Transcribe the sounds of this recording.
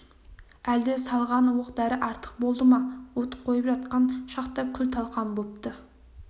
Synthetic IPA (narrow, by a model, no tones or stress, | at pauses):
æld̪ɪsɑlˠʁɑnuwəqd̪æɾɪʔɑɾt̪ʰə̥q̚bolˠd̪əmɑwot̪ə̥p̚qʰojəpʒɑt̪̚qɑnʃɑqt̪ɑkʲʰʏlt̪ʰɑlˠqɑnbop̚t̪ə